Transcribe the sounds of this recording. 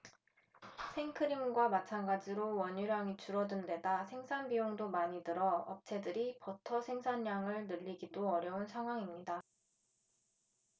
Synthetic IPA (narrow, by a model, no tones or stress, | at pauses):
sʰe̞ŋkʰɯɾimɡwamat͡ɕʰanɡad͡ʑiɾowʌɲuɾaŋit͡ɕuɾʌdɯnde̞dasʰe̞ŋsʰanbijoŋdomaɲidɯɾʌʌp̚t͡ɕʰe̞dɯɾipʌtʰʌsʰe̞ŋsʰaɲːaŋɯɭnɯʎːiɡidoʌɾjʌunsʰaŋɦwaŋimɲida